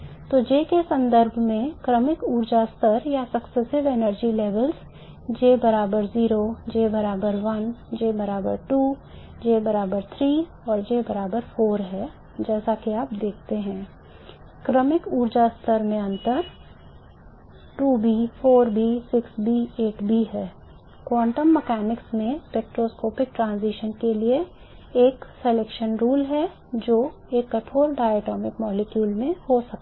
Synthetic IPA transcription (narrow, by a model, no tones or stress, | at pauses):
t̪oːd͡ʒeːkesɐ̃nd̪əɾbʱmẽkɾəmɪkuːɾd͡ʒast̪ʰəɾjasɐksɛsɪʋenəɾd͡ʒileːʋəlz | d͡ʒeːbɐɾaːbəɾziːɾod͡ʒeːbɐɾaːbəɾʋɐnd͡ʒeːbɐɾaːbəɾʈuː | d͡ʒeːbɐɾaːbəɾt̪ʰɾiː | ɔːɾd͡ʒeːbɐɾaːbəɾfoːɾɦɛ | d͡ʒɛːsakiaːp̚d̪eːk̚ʰt̪eɦɛ̃ː | kɾəmɪkuːɾd͡ʒast̪ʰəɾmẽɐ̃nt̪əɾ | ʈuːbiːfoːɾbiːsɪksbiːeːʈbiɦɛː | kwãːɳʈəmːɛkɛːnɪksmẽpeːk̚ʈɾoːskoːpɪk̚ʈɾãːnziːʃənkelie | eːkseleːkʃənɾuːlɦɛ | d͡ʒoː | eːkːɐʈʰoːɾɖaːeʈɔːmɪkmɔːlekjuːlmẽhosɐk̚t̪a